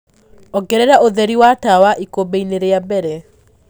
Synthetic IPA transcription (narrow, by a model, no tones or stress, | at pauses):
ɔɡɛɾɛɾaʔoðɛɾiwatawaʔikobeineɾeabɛɾɛ